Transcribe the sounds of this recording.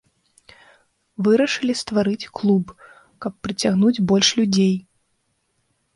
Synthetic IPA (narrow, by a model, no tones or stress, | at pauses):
vɨɾɐʂɨlʲist̪vaɾɨt͡sʲklˠub | kɐpːɾɨt͡sʲaɣnud͡zʲbɔlʲʂlʲud͡zʲej